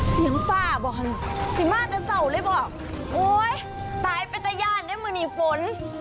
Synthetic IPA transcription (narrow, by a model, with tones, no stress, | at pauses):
si˨˦əŋfaː˧˩bɔː˧˩ɦa˧nsi˧˦maː˧˩ka˧˩sa˧˩wlɤː˧˥˨jbɔː˧˩k̚ | woː˧˦j | t̪aː˨˦jpa˧jt̪ɛ˧˩jaː˧˥˩ndaː˧˥˨jmɯː˧niː˧˩fo˨˦n